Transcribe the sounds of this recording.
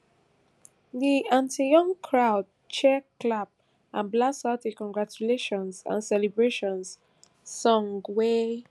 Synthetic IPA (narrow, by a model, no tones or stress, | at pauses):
ðiãntijɔ̃ŋkʰɹaʊd̚ | t͡ʃɛklap̚ | ãnblasatikɔ̃ŋɡɹat͡ʃuleʃɔ̃nsã̰nsɛlibɹeʃɔ̃ns | sɔ̃ŋɡwe